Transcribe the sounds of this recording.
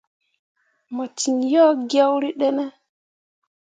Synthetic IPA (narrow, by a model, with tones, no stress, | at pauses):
mɔ˨t͡ʃi˨njɔ˦ɡia˦wɾi˦ɗɛ˦nɛ˦